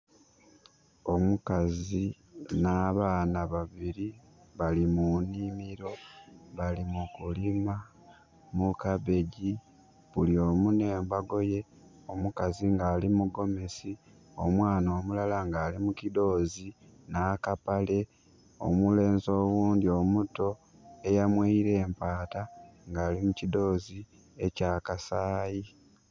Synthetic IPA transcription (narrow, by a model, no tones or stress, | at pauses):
o̞mukazi | naːβaːnaβaβiɾi | βalimunimiɾo̞βalimukulima | mukaβe̞ɟi | βulio̞ːmune̞ːmbaɡo̞je̞ | o̞mukaziŋɡaːlimuɡo̞mesi | o̞̰mwaːnoːmulalaŋɡaːlimucido̞ːzi | naːkapale̞ | o̞̰mule̞ːnzo̞ːwuːndio̞muto̞ | e̞jamweiɾe̞ːmpaːtaŋɡaːlimucido̞ːzi | e̞caːkasaːji